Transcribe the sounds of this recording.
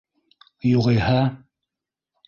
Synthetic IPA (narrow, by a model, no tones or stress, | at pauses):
juʁɤ̆jhɑ